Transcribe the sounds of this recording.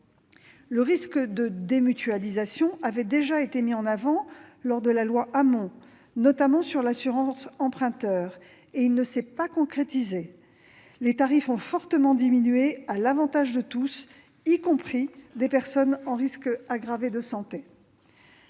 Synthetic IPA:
ləʁiskd̪əd̪emyt̪yalizasjɔ̃avɛd̪eʒaet̪emiɑ̃navɑ̃lɔʁd̪əlalwaʔamɔ̃ | nɔt̪amɑ̃syʁlasyʁɑ̃sɑ̃pχɛ̃t̪œːʁ | eilnəsɛpakɔ̃kχet̪ize | let̪aʁifɔ̃fɔʁt̪əmɑ̃d̪iminɥealavɑ̃t̪aʒd̪ət̪us | ikɔ̃pχid̪epɛʁsɔnɑ̃ʁiskaɡʁaved̪əsɑ̃t̪e

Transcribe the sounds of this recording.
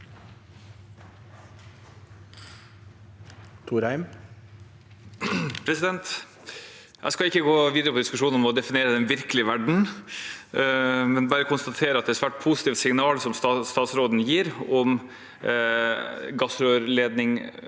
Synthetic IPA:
t̪ʰuɾæɪm | pʰɾɛsɪd̪ɛnt̪ | jʔæ̰ɪskɑɪkːəɡoːʋiːd̪əɾəpʰɔd̪ɪskʉʂuːnnɔmɔd̪ɛfɪneːɾəd̪ɛnʋɪɾkəlɪəʋæɖɳ̩ | mɛnbɑːɾəkʰʊnst̪ɑt̪ʰeːɾəɑt̪d̪ɛæːɾsʋæːʈ̚pʰuːsɪ̥t̪iːfsɪŋnɑːlsɔmsɑst̪ɑːt̪sɾoːd̪n̩jiːɾɔm | ɡɑsɾøːɾleːd̪nɪŋ

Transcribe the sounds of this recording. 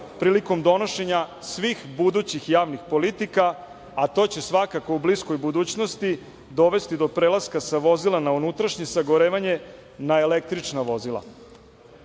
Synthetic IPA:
pɾiːliko̞md̪o̞no̞ʃe̞ɲasʋixbud̪ut͡ɕixjaːʋnixpo̞lit̪ikaː | t̪o̞ːt͡ɕe̞sʋakakoublisko̞jbud̪uːt͡ɕno̞st̪i | d̪oʋe̞st̪id̪o̞pɾeːlaskasaʋo̞zilanaunut̪ɾaʃɲesaɡo̞ɾeːʋaɲe̞ | naelek̚t̪ɾit͡ʂnaʋo̞zilˠa̰

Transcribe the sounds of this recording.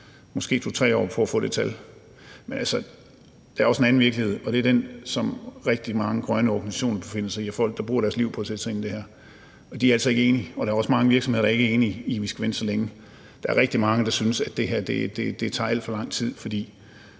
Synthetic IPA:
mɒ̽sɡ̥e̝ːt͡sʰut͡sʰʁɛ̰ːɒ̰ːpʰɒæfɔ̰ːd̥e̝̥t͡sʰæl | menʔælsə | d̥ææɐɒ̽senæn̩ʋiɐɡ̥lihe̝ð̞̰ˠɒ̽d̥e̝æɐd̥ensɒ̽mʁɛɡ̥̚d̥imɑ̈ŋəɡ̥ʁɶnəɒɡ̥nisæ̥ɕo̝̰ːnɐb̥efe̝n̰ɐsɑ̈iæfɒ̽l̰ɡ̥̚d̥ɑ̈b̥uːɐ̰ɾæɐsliʊ̰pʰɒ̽ːsed̥sɑ̈e̝nid̥e̝hæɐ̰ | ɒ̽d̥iæɐælsɒð̩ˠe̝ɡəe̝ːniɒ̽ɾ̥ɑ̈ɐɒ̽smɑ̈ŋəʋiɐ̥sɒ̽mh̝ðˠɐdɑeɡ̥æɐe̝ːniːʋisɡ̥æʋend̥sɒleŋə | d̥ɑ̈æɐʁeɡ̥̚d̥imɑ̈ŋəd̥ɑ̈synəsæd̥e̝ɦæɐ̰d̥e̝d̥e̝d̥e̝t͡sʰɑ̰̈ːæl̰d̥fɒ̽lɑ̈ŋ̰t͡sʰið̞̰ˠfɒ̽d̥ḭː

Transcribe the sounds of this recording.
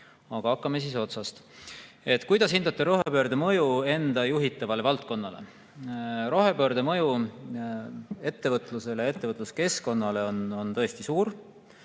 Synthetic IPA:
ɑɡ̥ɑɑkːɑmes̬iso̞t̪sɑst̪ | e̞t̪ːˑkujd̪̥ɑshind̪ut̪ːˑɑɾo̞ɦepø̞ːɾd̪emɤjue̞nd̪ɑjuɦit̪ːˑɑvɑle̞vɑlt̪̚ko̞nːɑle̞̰ | ɾo̞ɦe̞pø̞ːɾd̪e̞mɤju | e̞t̪ːe̞vɤt̪ˑluse̞leje̞t̪ːe̞vɤt̪ˑluske̞sko̞nːɑle̞o̞no̞nt̪ɤ̞e̞st̪isuːɾ

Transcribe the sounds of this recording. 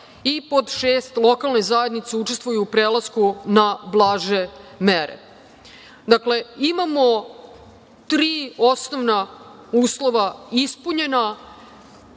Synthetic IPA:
ipo̞d̪ʃeːst̪lˠo̞kalˠnezaje̞d̪nit̪seut͡ʃe̞st̪ʋujuːpɾeːlaskunablˠaːʒe̞meɾḛ | d̪akle̞imamo | t̪ɾiːo̞snoʋna | uːslo̞ʋaispuɲe̞na

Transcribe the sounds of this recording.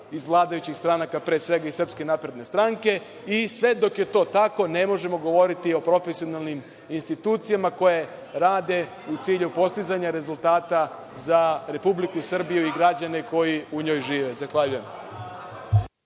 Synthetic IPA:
izʋlˠaːd̪ajut͡ɕixst̪ɾanakapɾesʋe̞ɡaisrpske̞naːpɾe̞d̪ne̞st̪ɾaŋke̞ | isʋe̞d̪o̞kje̞t̪o̞ːt̪ako̞ne̞mo̞ʒe̞mo̞ɡo̞ʋo̞ɾit̪io̞pɾo̞fesio̞nalˠnim | inst̪it̪uːt̪sijamako̞je̞ | ɾaːd̪e̞ | ut̪siːʎupo̞st̪izaɲaɾe̞zulˠt̪aːt̪a | zaɾe̞publikusr̩bijuiɡɾad͡ʑane̞ko̞jiuɲo̞ːjʒiːʋe̞zaxʋaʎujem

